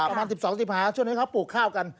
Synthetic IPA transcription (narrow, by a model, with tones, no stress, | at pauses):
ɾa˧maː˧nsi˨˩p̚sɔː˩˦ŋsi˨˩p̚haː˩t͡ɕʰu˥˩ŋni˦˥kʰwpuː˨˩kʰːaː˥˩wka˧n